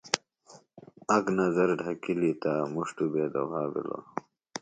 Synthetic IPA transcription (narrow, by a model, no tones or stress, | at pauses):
ɐɡnɐzɐɾɖʱɐkilit̪amuʂʈubeːd̪ɐɦaːbḭlo̰